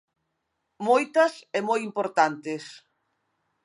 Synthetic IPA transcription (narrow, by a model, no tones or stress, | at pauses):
mojt̪ɐsemojimpoɾt̪ant̪es